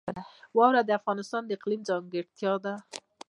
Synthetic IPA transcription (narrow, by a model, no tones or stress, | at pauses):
wɑwɾad̪əafɣɑnɪst̪ɑnd̪əɪqlimd͡zɑŋɡɪɽt̪jɑd̪a